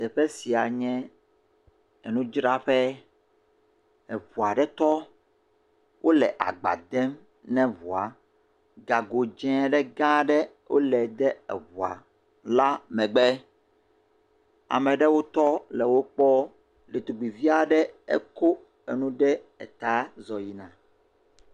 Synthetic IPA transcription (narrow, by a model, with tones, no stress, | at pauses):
t̪ɛ˨ɸɛ˦si˨a˨ɲɛ̃˦ | ɛ˨nũ˦d͡ʒɾa˦ɸɛ˦ | ɛ˨vu˨a˨ɖɛ˦t̪ɔ˦ | wʔo˦lɛ̰˨ʔa̰˨ɡ͡ba̰˨d̪ɛ˦m | nɛ̃˦vu˨a˨ | ɡa˨ɡo˨d͡ʒɛ̃˦ɖɛ˦ɡã˦ɖɛ˦ | wʔo̰˦lɛ˨d̪ɛ˦ɛ̰˨βu˨a̰˨ | la˦mɛ̃˨ɡ͡bɛ˦ | a̰˨mɛ̃˨ɖɛ˦wo˦t̪ɔ˦lɛ˨wo˦k͡pɔ˦ | le˨t̪o˨ɡ͡bi˨vi˦a˨ɖɛ˦ɛ̰˦ko˦ | ɛ˨nũ˦ɖɛ˦ɛ̰˨t̪a˦zɔ˨ji˦nã˨